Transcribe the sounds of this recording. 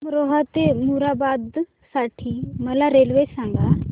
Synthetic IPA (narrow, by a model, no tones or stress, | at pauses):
mɾoːɦat̪emuɾaːbaːd̪ | saːʈʰːiːməlaɾeːlʋeːsãːŋɡaː